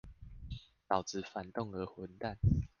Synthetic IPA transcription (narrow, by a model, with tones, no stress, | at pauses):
t̪ɑ˨˩ʊt͡sɹ̩˨˩fa˨˩nt̪ɔ˥˨ŋə˧˥hwə˨˦nt̪a˥˨n